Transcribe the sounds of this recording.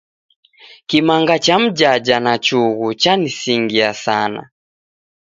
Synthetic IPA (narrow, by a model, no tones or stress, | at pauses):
kimaŋɡat͡ʃam̩d͡ʒad͡ʒanat͡ʃuɣut͡ʃanisiŋɡiasana̰